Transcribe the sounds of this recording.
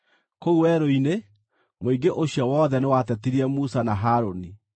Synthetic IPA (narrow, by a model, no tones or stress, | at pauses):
kouwɛɾoine | moiɡeʔoɕjɔwɔːðɛnewatɛtiɾiɛmusanaɦaːɾoni